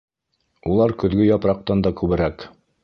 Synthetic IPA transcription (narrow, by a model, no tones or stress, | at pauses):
ulˠɑɾkɵ̆ðɡɵjɑpɾɑq̚t̪ɑnd̪ɑkʉβɘ̆ɾæk